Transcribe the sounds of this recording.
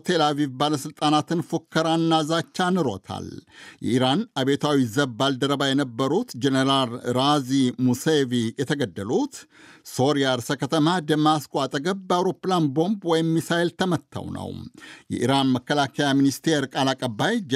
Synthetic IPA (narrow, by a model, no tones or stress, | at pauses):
t̪ʰe̞lavivbaləsɨlt̪ʼanat̪ɨnfokːəɾanːazat͡ʃːanɨɾo̞̰t̪ʰa̰ljɛ̰ʔiɾanaβe̞t̪ʰawizəβbald̪əɾəbajɛnəbːəɾut̪d͡ʒeneɾalɾazimusevijɛt̪ʰəɡəd̪ːəlut̪so̞ɾijaɾsəkʰət̪ʰəmad̪əmaskoat̪ʼəɡəβbəawɾo̞pːlanbo̞mbwɔjɪmːisaelt̪ʰəmət̪ʰːa̰wnə̰wjɛ̰ʔiɾanməkːəlakʰəjaminist̪ʰe̞ɾkʼalakʼəbːaj